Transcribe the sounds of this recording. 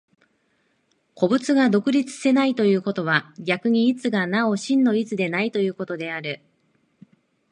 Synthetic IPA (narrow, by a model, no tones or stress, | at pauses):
kʰo̞bɯ̟t͡sɨɡad̪o̞kɯ̟ɾʲit͡sɨ̥se̞nait̪o̞jɯ̟ːko̞t̪o̞β̞aɡʲakɯ̟ɲ̟iːt͡sɨɡanao̞ɕĩnːo̞it͡sɨd̪e̞nait̪o̞jɯ̟ːko̞t̪o̞d̪e̞aɾɯ̟